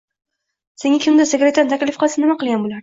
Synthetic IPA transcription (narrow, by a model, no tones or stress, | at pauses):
se̞ŋakʲʰɪmd̪ɪseɡʲɾet̪ːant̪ʰakʲlɪfqɨlˠsɪnɪmaqɨlˠɡʲanbolaɾ